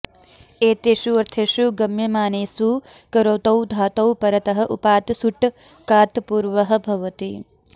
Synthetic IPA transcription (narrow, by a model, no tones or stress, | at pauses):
eːt̪eʂuɐɾt̪ʰeːʂuɡɐmjɐmaːneːsu | kɐɾoːt̪ɐwd̪ʱaːt̪ɐwpɐɾɐt̪ɐɦɐ̆ʔupaːt̪suʈ | kaːt̪puːɾʋɐɦɐ̆bʱɐʋɐt̪i